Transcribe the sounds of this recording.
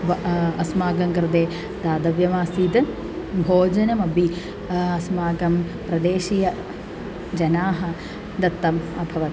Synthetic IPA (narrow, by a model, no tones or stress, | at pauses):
ɐsmaːɡɐŋkɾɨd̪eː | d̪aːd̪ɐʋjɐmaːsiːt̪ɨ | bʱoːd͡ʒɐnɐmɐbi | ɐsmaːɡɐmpɾɐd̪eːʃijɐ | d͡ʒɐnaːɦɐ | d̪ɐt̪ːɐmɐbʱɐʋɐt̪